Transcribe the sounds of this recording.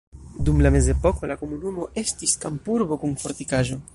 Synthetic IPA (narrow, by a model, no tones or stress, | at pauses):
dumlame̞ze̞po̞ko̞lako̞munumo̞ʔe̞stiskampuɾbo̞kunfo̞ɾtikaʒo̞